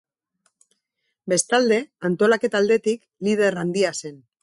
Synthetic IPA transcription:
be̞st̪ald̪e̞ant̪o̞lake̞t̪ald̪e̞t̪ik | lið̞e̞ɾand̪iase̞n

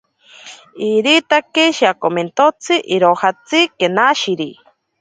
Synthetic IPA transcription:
iɾit̪akeʃiakoment̪ot͡sɨʔiɾohat͡sɨkenaʃiɾi

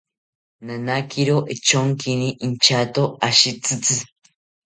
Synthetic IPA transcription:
nanakʰiɾoʔet͡ʃoŋkʰiniʔint͡ʃat̪oaʃit͡sɨt͡sɨ

